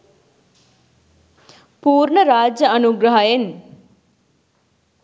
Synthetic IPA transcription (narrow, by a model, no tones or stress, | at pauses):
puːɾɳəɾaːd͡ʒjɐɐnuɡɾɐɦajen